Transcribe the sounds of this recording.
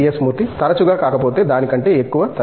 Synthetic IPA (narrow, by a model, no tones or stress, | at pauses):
esmuːɾt̪it̪ɐɾɐt͡ʃuɡaːkaːkɐpo̞ːt̪e̞ːd̪aːnikɐɳʈe̞ːekːuʋɐt̪ɐ